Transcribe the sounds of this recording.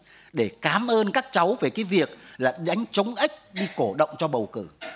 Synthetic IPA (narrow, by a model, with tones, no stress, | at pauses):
ɗe˧˩kaː˨˦mʔəː˧nkaː˦˥k̚t͡ɕa˨˦wve˨˩kaː˨˦jvi˨˩ək̚laː˨˩ɗa˨˦jŋ̟t͡ɕə˨˦wŋ͡mʔa˦˥jk̟̚ɗi˧ko˧˩ɗə̰˧˨wŋ͡mt͡ɕɔ˧ɓə˨˩wkɨ̰˧˩